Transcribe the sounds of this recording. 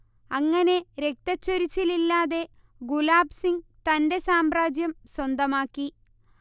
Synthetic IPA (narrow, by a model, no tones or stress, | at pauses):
ɐŋːɐne̞ɾe̞k̚t̪ɐt͡ɕːoɾit͡ɕːililːaːðe̞ | ɡulaːbsiŋɡt̪ɐnde̞saːmbraːd͡ʑjɐmswɐnd̪ɐmaːkːi